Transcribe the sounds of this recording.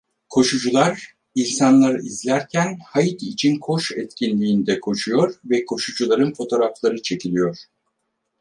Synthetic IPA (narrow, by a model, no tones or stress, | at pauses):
kʰo̞ʃud͡ʒulˠaɾ | ilʲsanlˠaɾɯʔizlʲæɾcʰænhajit̪ʰit͡ʃʰinkʰo̞ʃɛt̪cʰinlʲiːnd̪ɛkʰo̞ʃujo̞ɾvɛkʰo̞ʃud͡ʒulˠaɾɯnfo̞t̪ʰo̞ɾaflˠaɾɯt͡ʃʰe̞cʰilʲijo̞ɾ̥